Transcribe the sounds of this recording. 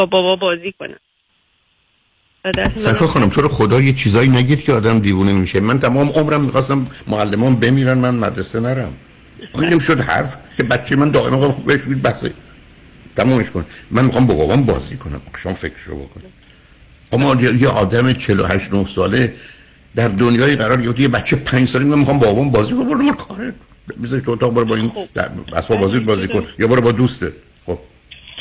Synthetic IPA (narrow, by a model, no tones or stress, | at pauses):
bɒbɒbɒbɒːziːkonæ | æd̪æsænkʰɒːxɑːnæmt̪ʰoɾexod̪ɒːjet͡ʃʰiːzɒːiːnæɟid̪̥cʰeɒːd̪æmd̪iːvuːnimiːʃemænt̪ʰæmɒːmeʔomɾæmːiːxɒːst̪æmːoælːemɒːnbe̞miːɾænmænmæd̪ɾesenæɾæm | ɒːjemʃod̪hæ̰ɾfcʰe̞bæt̪t͡ʃʰːemænd̪ɒːʔemæmxɑmbeeʃmid̪̚bæhsḛ | t̪ʰæmɒːmeʃkonmænmixɑːmbɒbɒ̰bɒnbɒ̰ːzikʰonæ̰mqi̥ʃɑmfecʰɾe̥ʃo̰bo̰kʰoni | ɒmːɒjejeʔɒːd̪æmet͡ʃʰelo̰hæʃt̪nohsɒːle | d̪æɾd̪onjɒːiːɢæɾɒːɾɡeɾeft̪ijebæt̪t͡ʃʰːepʰænɲd͡ʒsɒːlemimæmixɑːmbɒbɒːbɒnbɒːzikʰonebonnomoɾkʰɒːɾe | bezɒɾeʃt̪ʰoot̪ɒːɣbɔɾebɒind̪̰bæ̰spɒbɒːziid̪̚bɒːziːkʰonjɒbɒːɾebɒd̪ust̪ed̪̚ | xob̥̚